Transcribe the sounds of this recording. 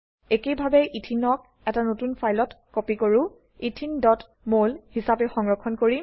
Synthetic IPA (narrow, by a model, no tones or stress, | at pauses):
ekejbʱabɛʔitʰinɔk̚ | ɛtanotunpʰajlɔtkopikoɹʊ | itʰindɔt | molhisapɛxɔŋɹɔkʰːɔnkoɹi